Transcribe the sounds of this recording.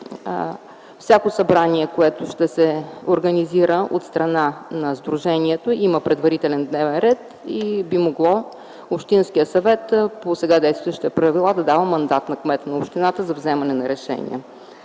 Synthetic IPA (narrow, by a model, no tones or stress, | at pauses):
fsʲakosɐbɾaniɛkoɛt̪oʃt̪ɛsɛoɾɡəniziɾəʔo̰t̪st̪ɾɐnanɐzd̪ɾuʒɛniɛt̪oiməpɾɛd̪vɐɾit̪ɛlɛnd̪nɛvɛnɾɛt̪ | ibimoɡlˠɔ | opʃt̪inskijəsɐvɛt̪posɛɡad̪ɛjst̪vəʃt̪ɛpɾəvilˠad̪ɐd̪avəmɐnd̪at̪nɐkmɛt̪nɐopʃt̪inat̪əzɐvzɛmɐnɛnɐɾɛʃɛ̰nḭə̰